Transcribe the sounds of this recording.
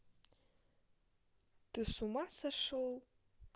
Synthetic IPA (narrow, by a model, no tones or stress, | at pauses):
d̥ɨsumasaʂol